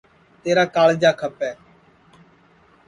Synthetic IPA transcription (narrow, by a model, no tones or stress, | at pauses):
t̪eːɾaːkaːld͡ʒaːkʰəpɛː